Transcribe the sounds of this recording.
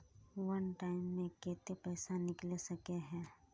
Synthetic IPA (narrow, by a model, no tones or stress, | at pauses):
ʋɐnʈaːɪmːẽkeːt̪epɛːsanɪklesɐkeɦɛ̃ː